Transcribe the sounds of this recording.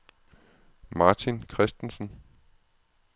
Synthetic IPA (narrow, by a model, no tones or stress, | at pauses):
mɑ̈ːt͡sʰinkʰʁɛsd̥n̩sn̩